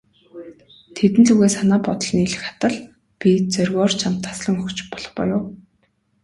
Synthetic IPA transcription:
t̪ʰet̪ɘ̆nɮuɣeːsanaːpɔt̪ɞ̆ɮ̆niɮɘ̆xḁt̪ə̆ɮ | pʲit͡sœrɣɔːrt͡ɕʰamt̪ʰːḁsɮə̆ŋxɵxt͡ɕpɔɮ̥ɞ̆χpɔ̰jʊː

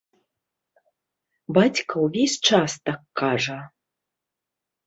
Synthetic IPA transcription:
bat͡sʲkɐwvʲesʲt͡ʂast̪akːaʐɐ

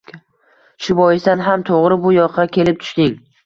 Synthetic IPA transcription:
ʃʊbɒjɪsanɦamt̪ʰoʁɾɪbʊjɒqʰːɑkʲʰe̞lɪp̚t̪ʰʊ̥ʃt̪ɪŋ

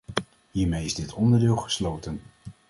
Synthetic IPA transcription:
ɦiːɹmejɪzdɪtɔndəɹdɪːlˠχə̥slowtən

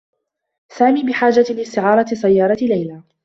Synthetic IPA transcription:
saːmiːbɪħaːd͡ʒalɪst̪ɪʕɑːɾˤɑsˤajːɑːɾˤɑlajlaː

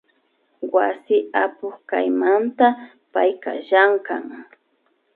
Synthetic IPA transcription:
wasɪapʊχka̰jmant̪a | pajka̰ʒaŋka̰ŋ

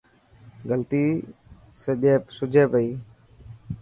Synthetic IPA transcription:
ɡəlt̪iː | seɗeːpsʊd͡ʒʱeːpəiː

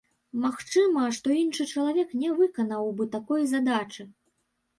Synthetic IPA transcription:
maxt͡ʂɨmɐʂt̪ɔinʂɨt͡ʂɐlˠavʲɛknʲɛvɨkɐnɐwbɨt̪akɔjzad̪at͡ʂɨ

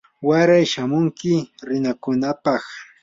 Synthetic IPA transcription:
waɾajʃamʊŋkɪɾɪnakʊnapɑχ

